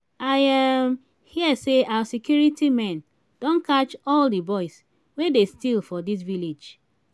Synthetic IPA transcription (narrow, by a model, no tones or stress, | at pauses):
aɪam | hiəseawsekjuɹitimɛ̃n | d̥õnkat͡ʃɔldəbɔɪs | wedestilˠfɔdis̬viled͡ʒ